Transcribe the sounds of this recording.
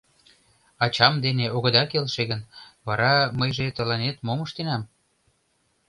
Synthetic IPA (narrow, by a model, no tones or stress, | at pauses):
ɑt͡ɕɑmd̪eneʔoɣə̆d̪ɑkelʃeɣənβɑɾɑməjʒet̪ə̆lɑnet̪moməʃt̪enɑm